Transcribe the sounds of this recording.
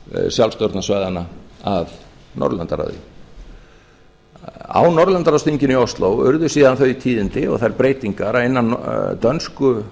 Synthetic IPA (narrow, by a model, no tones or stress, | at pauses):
sjawlfst̪oɾt̪nasvajðanaað | nɔ̰ɾðlɛnt̪aɾa̰ðɪ̰ | a̰wnɔɾlɛnt̪aɾast̪iɲcɪniɔst̪lowʏ̰ɾðʏ̥siːðanθœɥit̪ʰiːðɪnt̪ɪɔ̰ɣθaðɛɾpɾeːjt̪iŋkaɾaðɪnːat̪œnskʏ